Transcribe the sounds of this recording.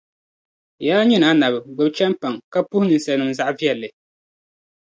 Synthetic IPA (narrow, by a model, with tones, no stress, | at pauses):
jaː˦ɲi˦na˨˦na˨bɨ˨ɡ͡bʊ˨bt͡ʃɛ˦mpa˨ŋka˦pu˦hʊ˦nɨ˨n˨sɛ˨nɨ˨mza˦ʔvi˦ɛ˨lːɨ˨